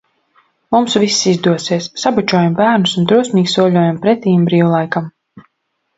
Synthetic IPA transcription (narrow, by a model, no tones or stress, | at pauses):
mumsvisːizd̪uɔsiɛsːabat͡ʃuɔjambæːɾnusund̪ɾuɔsmiːksuɔlʲuɔjampɾɛt̪ʲiːjmbɾiːvulˠajkam